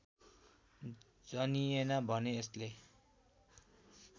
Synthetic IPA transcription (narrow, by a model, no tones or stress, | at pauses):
d͡zʌnienʌbʱʌneːsle